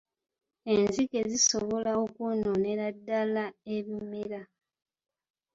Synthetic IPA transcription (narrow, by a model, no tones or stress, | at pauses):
e̞nzike̞zisoβo̞laokunone̞ɾadːalaeβimeɾa